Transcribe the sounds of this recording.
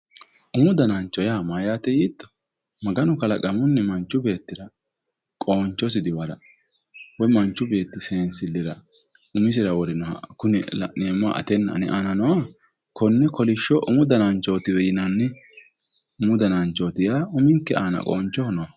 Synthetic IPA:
ʔʊmʊd̪ɐnant͡ʃːɔjaːmaːjaːt̪ɛjiːt̪ːɔ̥ | mɐɡɐnʊkɐlɐkʼɐmʊnːɛmɐnt͡ʃːʊbe̞ːt̪ːɪɾɐ | kʼo̞ːnt͡ʃːɔs̬ɪd̪ɪwɐɾɐ̰ | wɔjmɐnt͡ʃːʊbe̞ːt̪ːɪsɛnsɪlːɪɾɐ | ʊmɪs̬ɪɾɐwɔɾɪnɔ̰kʊnɛl̰neːmʊa̰ʔɐ̰t̪ɛnːɐ̰nɛ̰ʔaːnɐnɔwa | kɔnːɛkɔlɪʃɔʔʊmʊd̪ɐnant͡ʃːo̞ːt̪ɪwɛjɪnanːɛ | ʊmʊd̪ɐnant͡ʃoːt̪ɪjaːʊmɪŋkːɛʔaːnɐ̰kʼoːnt͡ʃːɔnɔwa

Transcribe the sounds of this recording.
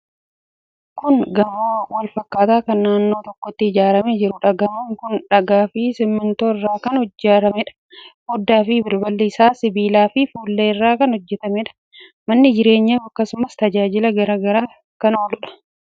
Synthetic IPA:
kʊnɡɐmoːwɐlfɐkːaːt̪aːkɐnːaːnːo̞ːt̪ɔkːɔt̪ːɪɪd͡ʒaːɾɐmed͡ʒɪɾʊᶑɐɡɐmuŋkʊnᶑɐɡaːfɪsɪmːɪnt̪o̞ːɪrːaːkɐnhɔd͡ʒːaːɾɐmɛᶑɐ̥ | hɔd̪ːaːfɪbɪɾbɐlːiːsaːsɪbiːlaːfɪfuːlːeːɪrːaːkɐnhɔd͡ʒːɛt̪ɐmɛᶑɐ̥ | mɐnːɪd͡ʒɪɾe̞ːɲːaːfɐkːɐsʊmɐst̪ɐd͡ʒaːd͡ʒɪlɐɡɐɾaːɡɐɾaː | kɐno̞ːlʊᶑɐ̥

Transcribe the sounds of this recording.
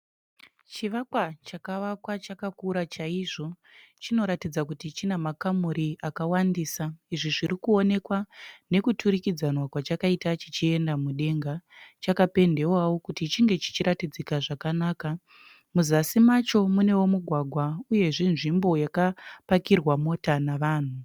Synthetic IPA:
t͡ʃiʋakwat͡ʃakaʋakwat͡ʃakakuɾat͡ʃaiʐo̞ | t͡ʃino̞ɾatid͡zakutit͡ʃinemakamuɾiʔakawandiːsaiʐiʐiɾikuo̞ne̞kwane̞kutʰuɾikid͡zanwakwat͡ʃakaitat͡ʃit͡ʃie̞ndamuɗe̞ŋɡat͡ʃakape̞nde̞wawo̞kutit͡ʃiŋɡe̞t͡ʃi̥t͡ʃiɾʔatid͡zikaʐakanaːka | muzasimat͡ʃo̞mune̞wo̞muɡʱwaɡʱwauje̞ʐinʐimbo̞jakapakirwamo̞tanaʋaːn̤u

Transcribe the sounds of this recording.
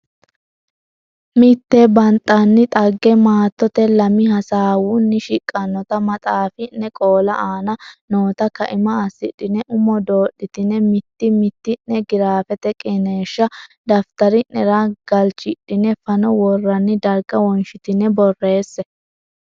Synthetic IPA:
mɪt̪ːɛbɐnt̪ʼːɐnːɪt̪ʼɐɡːɛmaːt̪ːɔt̪ɛlɐmɪɦɐsaːwʊnːɪʃɪkʼːɐnːɔt̪ɐmɐt̪ʼaːfɪnːɛkʼo̞ːlɐʔaːnɐnoːt̪ɐkɐʔɪmɐːsɪɗːɪnɛʔʊmɔd̪o̞ːɗːɪt̪ɪnːɛmɪt̪ːɪmɪt̪ːɪnːɛɡɪɾaːfɛt̪ɛkʼɛneːʃːɐd̪ɐft̪ɐɾɪnɛɾɐɡ̥ɐlt͡ʃɪɗɪnɛfɐnɔwɔrːɐnːɪd̪ɐɾɡɐwɔnʃɪt̪ɪnːɛbɔrːe̞ːsːɛ

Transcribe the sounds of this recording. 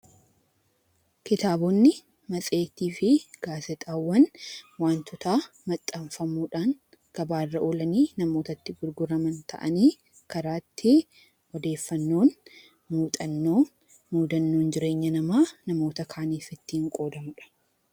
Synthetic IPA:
kɪt̪aːbɔnːɪ | mɐt͡sʼe̞ːt̪iːfɪɡ̥aːsɛt̪ʼaːwːɐnwaːnt̪ʊt̪aː | mɐt̪ʼːɐɱfɐmuːᶑaːŋ | ɡ̥ɐbaːrːɐʔoːlɐniːnɐmoːt̪ɐt̪ːɪɡʊɾɡʊɾɐmɐnt̪ʰɐ̰ʔɐ̰niː | kɐɾaːt̪ʰːɪ | ɔd̪e̞ːfːɐnːo̞ːn | muːt̪ʼɐnːo̞ː | muːd̪ɐnːo̞ːnd͡ʒɪɾe̞ːɲːɐnɐmaːnɐmo̞ːt̪ɐkʰaːniːfɪt̪ːɪɪŋkʼo̞ːd̪ɐmʊᶑɐ̥

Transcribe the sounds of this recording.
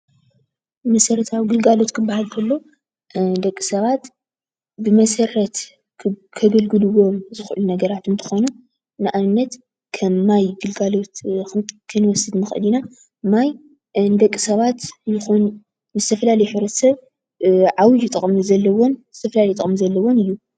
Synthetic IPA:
mɐsɐɾɐt̪ʰawɡɨlɡalo̞t̪kʰɨbːahalkʰɐlːo̞ | d̪ɐkʼːisɐβat̪ | bɨmɐsɐɾɐt̪ | kʰɐɡɐlɡɨlɨwo̞mzɨxʔɨlunɐɡɐɾat̪ɨnt̪ʰɨ̥xo̞nu | nɨʔanɨnːɐt̪ | kʰɐmːajɡɨlɡalo̞t̪kʰɨnwɔsɨd̪nɨxɨ̰lina | maj | nd̪ɐkʼːisɐβat̪jɨxonː | zɨt̪ʰɐfɐlalɐjħɨβɾɐt̪sɐβ | ʕawɨjɪt̪ʼɨχʼmɨzɐlːɐwonz̥ɨt̪ʰɐfɐlalɐjt̪ʼɐ̰χʼmɨzɐlːɐwonɨjːu

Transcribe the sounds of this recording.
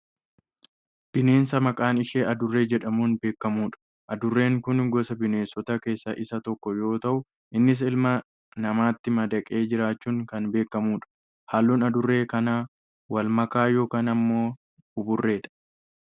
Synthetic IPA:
b̥ɪne̞ːnsɐmɐkʼaːnɪʃeːʔɐd̪ʊrːe̞ːd͡ʒɛᶑɐmuːnbe̞ːkːɐmuːᶑɐ̥ | ʔɐd̪ʊrːe̞ːŋkʊnɡɔsɐbɪne̞ːsɔt̪ɐke̞ːsːɐʔɪsɐt̪ɔkːɔjo̞ːt̪ɐʔʊ | ʔɪnːɪs̬ɪlmɐ | nɐmaːt̪ːɪmɐd̪ɐkʼe̞ːd͡ʒɪɾaːt͡ʃːuːŋkɐnbe̞ːkːɐmuːᶑɐ̥ | haːlːuːnɐd̪ʊrːe̞ːkɐnaː | wɐlmɐkaːjo̞ːkaːnɐmːo̞ː | ʊbʊrːe̞ːᶑɐ̥

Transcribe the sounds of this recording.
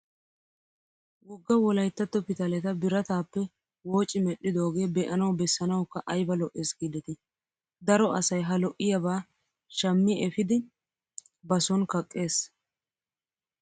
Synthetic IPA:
wɔɡːɐwɔlɐjt̪ːɐt̪ːɔpɪt̪ɐlɛt̪ɐbɪɾɐt̪aːpːɛ | wo̞ːt͡ʃʼːɪmɛɗɪd̪o̞ːɡe̞ːbɛʔɐnɐwbɛsːɐnɐwkːɐʔɐjbɐlɔʔeːsɡid̪ɛt̪ɪ | d̪ɐɾɔʔɐsɐjɦɐlɔʔɪjɐbaː | ʃɐmːɪʔɛfɪd̪ɪ | bɐsɔnkɐkʼːe̞ːs

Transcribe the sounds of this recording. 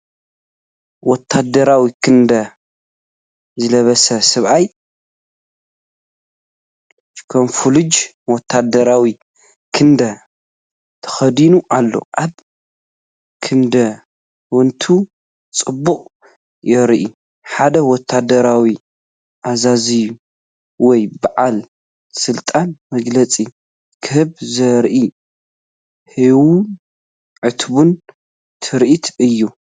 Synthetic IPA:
wɔt̪ʰːad̪ɐɾawikʰɨnd̪ɐ | zɨlɐβɐsɐsɨβaj | kʰɐmfulɨd͡ʒ | wɔt̪ʰːad̪ɐɾawi | kʰɨnd̪ɐ | t̪ʰɐ̥xɐd̪inuʔalːo̞̰ʔaβ | kʰɨnd̪ɐ | wɔnt̪ʰu | t͡sʼɨbːuχʼ | jɛɾʔi | ħad̪ɐwɔt̪ʰːad̪ɐɾawi | ʔazazɨjːu | wɔjbaʕal | sɨlt̪ʼanmɐɡlɐt͡sʼi | kʰɨhɨβzɐɾʔi | hiwun | ʕɨt̪bun | t̪ʰɨɾʔit̪ʰɨjːu

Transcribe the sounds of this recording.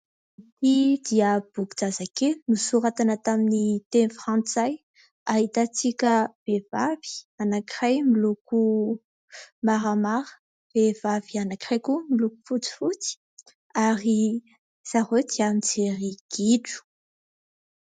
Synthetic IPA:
it̪id̪iəb̥uɡud͡zazakelnusuɾat̪anət̪aminit̪enfɾãnt͡saj | aɦit̪at͡sikʲəv̥evavi̥anakirajmiluku | maɾamaɾə̥ | v̥ev̥avianakirajkumiluku̥fut͡si̥fut͡si̥ | aɾi | z̥aɦod̪iamid͡zeɾiɡ̥iʈ͡ʂu̥

